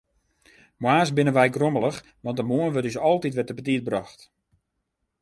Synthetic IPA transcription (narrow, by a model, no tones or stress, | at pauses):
mwaːs̬bɪnənʋɛjɡromələx | ʋɑntdəmuənʋøtdys̬ɔlˠtitʋɛtəpətit̚brɔxt